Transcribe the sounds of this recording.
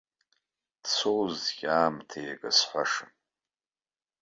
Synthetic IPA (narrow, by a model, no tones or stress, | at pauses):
d̥t͡sʷʰowzɡʲʼaːmtʰejaɡʼasħʷaʂɨm